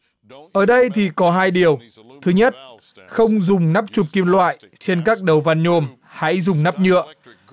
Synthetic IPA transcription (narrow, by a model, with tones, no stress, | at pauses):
ʔəː˧˨˩ɗə˧jt̪ʰi˨˩kɔ˨˦ɦaː˧jɗi˨˩əw | t̪ʰɨ˨˦ɲə˦˥t̚ | xə˧wŋ͡mzʊ˨˩ŋ͡mna˦˥p̚t͡ɕu˨˩p̚ki˧mlwa̰ː˧˨j | t͡ɕe˧nkaː˦˥k̚ɗə˨˩wva˧nɲo˧˩m | ha̰˧˥jzʊ˨˩ŋ͡mna˦˥p̚ɲɨ̰˧˨əʔ